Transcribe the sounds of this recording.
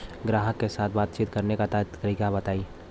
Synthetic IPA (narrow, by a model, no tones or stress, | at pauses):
ɡɾaːɦəkːesaːt̪̚ʰbaːt̪t͡ʃiːt̪kɐɾnekat̪aːt̪ʰkɾikabɐt̪aːi